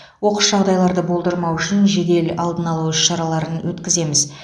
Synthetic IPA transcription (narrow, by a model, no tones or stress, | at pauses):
wo̞qəsʒɑʁd̪ɑjlˠɑɾd̪əbo̞lˠd̪əɾmɑwʏʃɪnʒe̞d̪e̞lɑlˠd̪ənɑlˠusʃɑɾɑlˠɑɾənwʔɵt̪kʲɪze̞mɪz